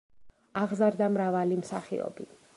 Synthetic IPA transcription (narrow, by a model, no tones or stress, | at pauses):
aʁzaɾd̪amɾavalimsaχḭɔ̰bi